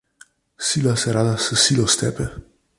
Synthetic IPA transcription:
silaseɾad̪asəsilost̪ɛpɛ

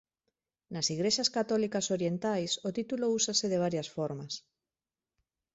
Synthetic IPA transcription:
nasiɣɾeʃaskat̪ɔlikasoɾjent̪ajsot̪it̪ulousaseðeβ̞aɾjasfoɾmas

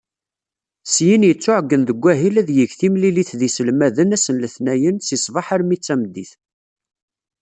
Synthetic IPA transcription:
sjinjət͡sːʊʕɡːənðəɡʷːæɦilæðjəʝθimliliθðisəlmæðənæsənləθnæjənsisˤvɑħaɾmit͡sːæmd̪ːiθ

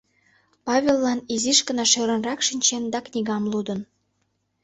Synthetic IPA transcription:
pɑβʲelːɑniziʃkə̆nɑʃøɾə̆nrɑkʃinʲt͡ɕend̪ɑknʲiɣɑmlud̪ən

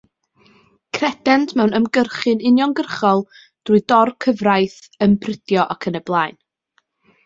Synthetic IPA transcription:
kʰrɛd̥ɛntʰmɛwnəmɡərχɨnɪnjɔŋɡərχɔlˠ | d̥uɨdɔrkʰəvrajθənbrədjɔʔɔkʰənəblˠaːɨn

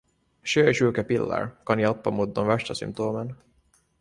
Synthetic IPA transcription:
ʃøːʃylkɛpilːa̰rkɒniɑpːɑmud̪ːonvɛʃt̪ɑsy̰mp̚t̪oːmɛn

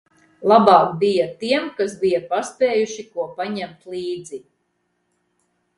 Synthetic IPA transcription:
lˠabɑːkbijat̪iɛmkas̬bijapaspeːjuʃikuɔpaɲɛmt̪lˠiːd̪zi

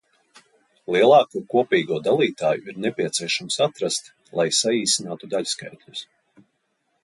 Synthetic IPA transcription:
lˠiɛlˠɑːkuːkuɔpiːɡuɔd̪alˠiːt̪aːjuiɾnɛpʲiɛt̪siɛʃamsat̪ɾast̪ | lˠajsaiːsinaːt̪ud̪aʎʲska̰jt̪ʲlʲus

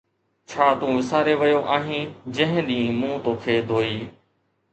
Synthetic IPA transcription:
t͡ʃʰaːt̪ũːʋɪsaːɾeːʋəjoːʔaːɦĩːd͡ʒə̃ɦɪ̃ɗĩːmũːt̪oːkʰeːd̪ʱoːiː

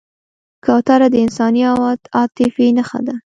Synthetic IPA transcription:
kawt̪aɾad̪əɪnsɑniawɑd̪ɑt̪ɪfinaxa̰d̪a

